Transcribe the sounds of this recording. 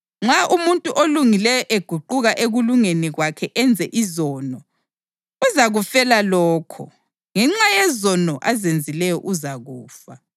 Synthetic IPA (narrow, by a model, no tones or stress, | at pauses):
ŋ͡ǁaʔumuntʼuʔoluŋilɛjɔʔeɡ̥ʱuǃuɣaʔeɣuluŋeniɣwakʰɛʔɛnd͡zʱɛʔizɔːnɔ | uzaɣufɛlalɔːkʰɔ̰ | ŋɛŋ͡ǁajɛzɔnɔʔazend͡zʱilɛjɔʔuzaɣuːfa